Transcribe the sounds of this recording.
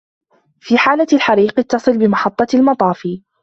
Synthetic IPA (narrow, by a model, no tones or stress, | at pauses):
fiːħaːlaalħaɾiːqɪt̪ːɑsˤɨlbɪmɑħɑt̪ˤːɑlmɑt̪ˤɑːfiː